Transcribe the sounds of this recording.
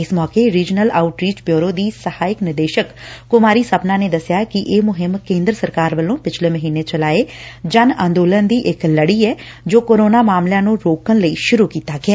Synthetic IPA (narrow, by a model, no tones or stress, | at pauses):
ɪsmɔːkeɾiːd͡ʒnəlaːʊʈɾiːt͡ʃbjoːɾoːd̪iːsəhaːɪknɪd̪eːʃəkːʊmaːɾiːsəpnãːneːd̪əsjaːkɪʔeːmʊɦɪmkẽːnd̪ɾəsəɾkaːɾʋəlõːpɪt͡ʃʰleːməɦiːneːt͡ʃəlaːeːd͡ʒənã̰ːnd̪oːlənd̪iːʔɪkləɽiːɛː | d͡ʒoːkoːɾoːnaːmaːmljãːnũːɾoːkənləiːʃʊɾuːkiːt̪aːɡɪɛː